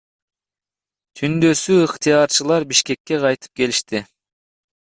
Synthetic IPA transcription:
t̪ʰynd̪ø̞syɨqt̪ʰijɑɾt͡ʃɨlˠɑɾbiʃke̞kʲːe̞qɑjt̪ʰɯ̥p̚kʰe̞liʃt̪ɪ

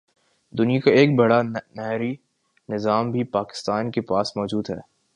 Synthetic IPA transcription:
d̪ʊnijãkaeːk̚bɐɽanɛɦɾi | nɪzaːmbʱipaːkɪ̥st̪aːnkepaːsmɔːd͡ʒuːd̪ɦɛ̰ː

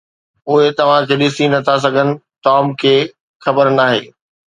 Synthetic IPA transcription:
ʊɦet̪ɐʋ̤ãkʰeːɗɪsinɐt̪ʰas̬ɐɡʱənɪ̆ | ʈɔːmkʰeː | xɐbəɾnaːɦḛː

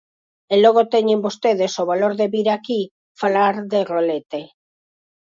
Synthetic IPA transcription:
eloɣ̞ot̪eɲembost̪eðesoβaloɾðeβiɾaki | falaɾðe̞rolet̪e

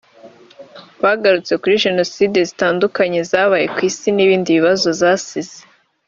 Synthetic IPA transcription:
βaɡaɾut͡se̞kuɾiʒe̞no̞side̞zitaːndukaɲe̞zaːβaje̞kwiːsiniβiːndiβiβazo̞zaːsize

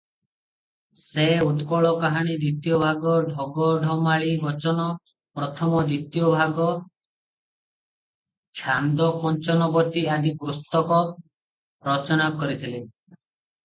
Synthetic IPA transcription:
seut̪kɔɭɔkaɦaɽ̃id̪ɾit̪ijɔbʱaɡɔɖʱɔɡɔɖʱɔmaɭibɔt͡ʃɔnɔ | pɾɔt̪ʰɔmɔd̪it̪ijɔbʱaɡɔ | t͡ʃʰand̪ɔkɔnt͡ʃɔnɔɡɔt̪iad̪ʱik̚ɾust̪ɔkɔ | ɾɔt͡ʃɔnakɔɾit̪ʰile

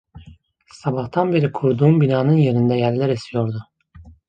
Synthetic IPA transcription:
sabaht̪ʰanbeɾikʰuɾd̪uːmbinaːnɯnje̞ɾind̪ɛjæɾlʲæɾesʰijo̞ɾd̪ʊ

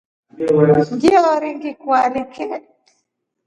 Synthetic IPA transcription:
ɡiɔɾiŋɡikwalikʰɛ

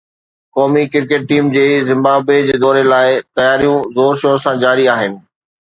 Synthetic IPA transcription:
kɔːmikɪɾkeʈ̚ʈiːmd͡ʑeːzɪ̃mbaːbed͡ʑeːd̪ɔːɾelaːɪt̪ɐjaːɾijũzoːɾʃoːsãd͡ʑaːɾiaːɦɪnɪ̆

